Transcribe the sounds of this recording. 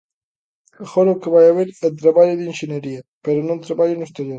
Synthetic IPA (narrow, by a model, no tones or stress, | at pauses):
mexoɾokeβajaβeɾelt̪ɾaβaʎoðienʃeneɾiapeɾonõnt̪ɾaβaʎʊnust̪eɾjoɾ